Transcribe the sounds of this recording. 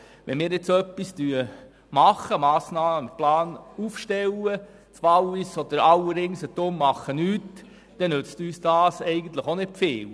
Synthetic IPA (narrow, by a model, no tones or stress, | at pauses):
ʋɛnmɪːɾɪt͡sœpːistyə | mɑχːəmɑːsnɑːməplɑːnufʃtɛlːə | t͡sʋɑlʋisɔd̪əɾɑwədɪŋsət̪omːɑχənyːt | d̪̥ɛnøt͡styːsd̥ɑːsɛɪɡən̩t̪ləχonɪ̥feːl